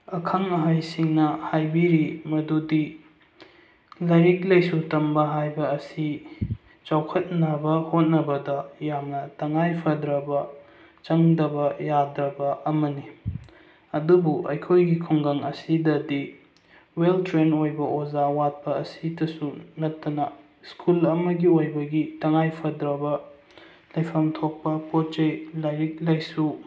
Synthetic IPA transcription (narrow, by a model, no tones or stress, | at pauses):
ɐkʰɐŋɐɦajsiŋnɐhajbiɾimɐdudi | lɐɾik̚lɐjsutɐmbɐɦajbɐːsi | t͡ʃawkʰɐt̚nɐbɐhot̚nɐbɐdɐjamnɐtɐŋajpʰɐdɾɐbɐ | t͡ʃɐŋdɐbɐjadɾɐbɐʔɐmɐni | ɐdubuʔɐ̰jkʰojɡikʰoŋɡɐŋɐsidɐdi | weltɾenojbɐʔozawat̚pɐːsidɐsunɐtːɐnɐ | skʰulɐmɐɡiojbɐɡitɐŋajpʰɐdɾɐbɐ | lɐjpʰɐmtʰok̚pɐpot͡ʃejlajɾik̚lajsu